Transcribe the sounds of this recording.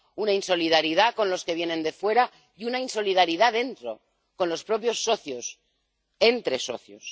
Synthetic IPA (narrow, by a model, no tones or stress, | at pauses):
unainso̞liðaɾiðako̞nlo̞ske̞β̞je̞nẽ̞nd̪e̞fwe̞ɾa | junainso̞lið̞aɾiðaðe̞nt̪ɾo | ko̞nlo̞spɾo̞pjo̞sːo̞θjos | e̞nt̪ɾe̞so̞̰θjo̰s